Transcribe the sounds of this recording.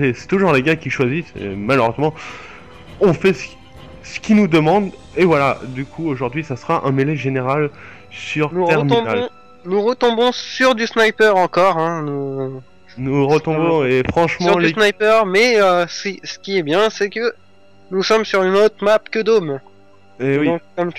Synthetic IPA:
ɛsɛ̥t̪uʒuʁleɡãkʲiʃwazisḛmaləʁøzmɑ̃ | ɔ̃fɛsə̥ | sə̥kʲinud̪əmɑ̃d̪evwalad̪ykʰuoʒuʁd̪ɥisasəʁaʔɛ̃melɛʒeneʁal | syʁnuʁt̪ɛʁmĩb̪alɔ̃ | nuʁət̪ɔ̃bɔ̃syʁd̪ysnajpœʁɑ̃kɔʁɛ̃nu | nuʁət̪ɔ̃bɔ̃efχɑ̃ʃmɑʁ̃lysnajpœʁmɛøssə̥kʲiɛbjɛ̃sɛkə | nusɔmsyʁynot̪χmapkʲəd̪om | ewid̪ɔ̃kːɔmk

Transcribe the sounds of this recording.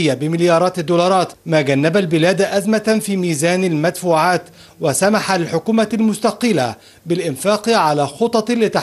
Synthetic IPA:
jːabɪmɪljɑːɾˤɑːt̪d̪ːuːlɑɾˤɑːt̪maːɡanːabalbɪlæːd̪ʔazmafiːmiːzæːnalmad̪fuːʕaːt̪ | wasamaħalħʊkuːmalmʊst̪ɑqɨla | bɪlʔɪnfaːqʕalaːxot̪ˤɑtlɪt̪a

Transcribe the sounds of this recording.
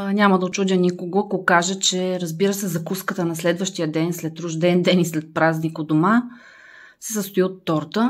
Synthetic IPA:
nʲamɐd̪ɐot͡ʃudʲənʲikoɡoɐkokaʒət͡ʃɛɾəzbiɾəsɛzɐkuskət̪ənɐslɛd̪vəʃt̪ijəd̪ɛnslɛt̪ːɾuʒd̪ɛnd̪ɛnislɛt̪̚pɾaznikod̪oma | sɛsəst̪ʊiot̪ːɔɾt̪ə

